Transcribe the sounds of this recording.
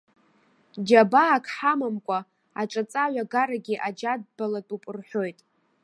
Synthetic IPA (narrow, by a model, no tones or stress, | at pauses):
d͡ʒabaːkʰħamamkʷʼa | aʈ͡ʂʼat͡sʼaɥʷaɡaɾaɡʲiʔad͡ʒad̚balatʼupʼɨrħʷᶣo̞jtʼ